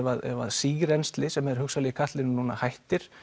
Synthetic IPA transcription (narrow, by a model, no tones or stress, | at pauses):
vaðɛ̰vaðsiːɣɾɛnst̪lɪsɛmɛðɾ̥hʏksalɛjkʰaht̪lɪnʏnuːna̰hajht̪ɪɾ̥